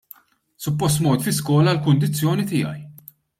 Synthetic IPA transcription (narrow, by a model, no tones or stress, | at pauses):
sʊpːɔs̬t̪mɔːt̪fɪskɔːlɐlkʊnd̪ɪt͡sːjɔːnit̪ɪ̰ːɐ̰j